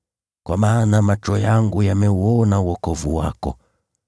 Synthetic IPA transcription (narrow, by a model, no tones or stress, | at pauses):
kwamaːnamat͡ʃɔjaŋɡujamɛuɔnauwɔkɔvṵwa̰kɔ̰